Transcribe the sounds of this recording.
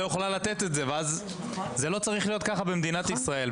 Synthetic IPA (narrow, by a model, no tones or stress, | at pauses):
joχlalat̪e̞t̪e̞tze̞veaz | zelo̞t͡saʁiχlijo̞t̪kaχabemd̪inat̪isʁae̞l